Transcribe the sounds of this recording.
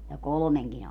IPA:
jɑ kolŏmeŋkin

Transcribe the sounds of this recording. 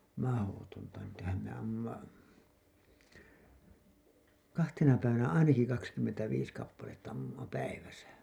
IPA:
mɑhotontɑ niːtæhæm me ɑmːumːɑ kɑhtenɑ pæiʋænæ ɑinɑki kɑkskymːentæʋiːs kɑpːɑletːɑ ɑmːumːɑ pæiʋæsæ

